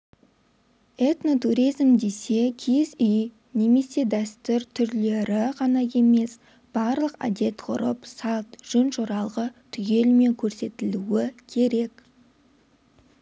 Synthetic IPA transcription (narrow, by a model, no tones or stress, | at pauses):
et̪no̞t̪uɾijzmd̪e̞se̞kʲʰezʏj | ne̞me̞se̞d̪æst̪ʏɾt̪ʰʏɾle̞ɾɪʁʰɑnɑje̞me̞s | b̥ɑɾlˠəqa̰d̪e̞t̪qʰʊ̰ɾəpsɑlˠt̪ʒ̥ʏnʃoɾɑlˠʁət̪ʰʏɡʲe̞lme̞ŋkʲʰɵɾse̞t̪ɪluwɪkʲʰe̞ɾe̞k